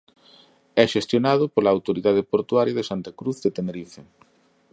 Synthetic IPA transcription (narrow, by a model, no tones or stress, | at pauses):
ɛʃest̪jonað̞ʊpolaːwt̪oɾiðaðɪpoɾt̪waɾjɐðesant̪akɾuθðet̪eneɾife